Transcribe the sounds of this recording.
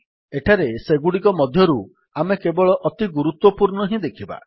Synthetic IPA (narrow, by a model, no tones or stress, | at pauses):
eʈʰaɾeseɡuɽikɔmɔd̪ʱjɔɾu | amekebɔɭɔʔɔt̪iɡuɾut̪wɔpuɾɳɔɦĩd̪ekʰiba̰